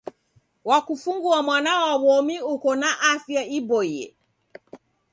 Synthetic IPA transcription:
wakufuŋɡuamwanawaβɔmiukɔnaʔafjaibɔjɛ̰

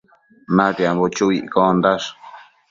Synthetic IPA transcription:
nãt̪eambot͡ʃuiʔkond̪aʂ

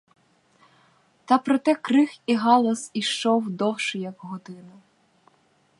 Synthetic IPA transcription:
t̪ɐpɾɔt̪ɛkɾɪxiɦɑlˠɐsiʃt͡ʃɔwd̪ɔwʃɪjɐkɦɔd̪ɪnɐ

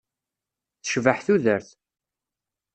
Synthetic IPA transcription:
θə̥ʃvəħθuðəɾθ

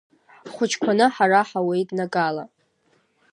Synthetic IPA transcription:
χʷʊt͡ʃʰkʷʰanɨħaraħawe̞jtʼnaɡʼala̰

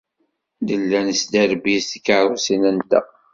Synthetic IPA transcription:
d̪əlːænsd̪æɾbisθəkːaʕɾusinænd̪æ̰

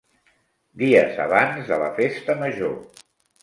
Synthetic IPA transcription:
d̪iəzə̰β̞anzðələfest̪əməʒo

